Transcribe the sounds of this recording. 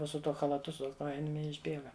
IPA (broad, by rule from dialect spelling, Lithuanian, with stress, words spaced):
ˈnʊ sʊ tuɔ xɐlˠɐˈtʊ sʊ ˈkoːjɪnʲeːm ɪ ɪʒʲˈbʲeːɡɐ